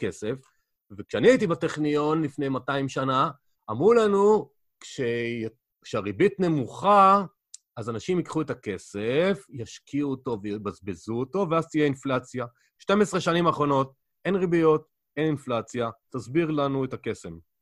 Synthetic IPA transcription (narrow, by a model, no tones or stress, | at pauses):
ke̞se̞f | vekʃeaniajit̬ibateχnijo̞nlifnejmataimʃanaː | mʁulanu | kʃe | kʃeaʁibitne̞muχa | azanaʃimikχuetake̞sefjaʃkʰiuoto̞vejbazbezuoto̞veazt̪ijeinflat͡sja | ʃte̞mesʁeʃanimaːχʁo̞no̞t̚ | e̞nʁibijo̞t | e̞ninflat͡sjatazbiʁlanuetake̞se̞m